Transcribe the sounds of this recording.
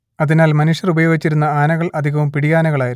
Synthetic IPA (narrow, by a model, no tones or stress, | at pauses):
ɐðinaːlmɐnuʂjɐrubɐjo̞ːɡit͡ɕːiɾunːɐaːnɐɣɐɭɐd̪ʱiɣɐʋumpiɽijaːnɐɣɐɭaːjiɾu